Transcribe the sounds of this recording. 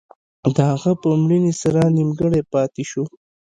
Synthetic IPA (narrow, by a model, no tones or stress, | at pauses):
d̪əhaɣapəmɽinisaɾanimɡəɽepɑːt̪iʃo